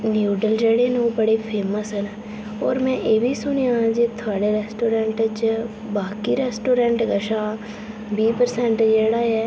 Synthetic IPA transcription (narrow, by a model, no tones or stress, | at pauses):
njuːɖəld͡ʒeːɽeːnõːbəɽeːpʰeːməsəlː | ɔːɾmɛ̃ːʔeːbʱiːsʊñijãd͡ʒeːt̪ʰʊaːɽeɾɛːsʈoːɾɛ̃ɳʈt͡ʃ | baːkiːɾɛːsʈoːɾɛ̃ɳʈɡəʃaː | biːpəɾsɛ̃ːɳʈd͡ʒeːɽaːɛː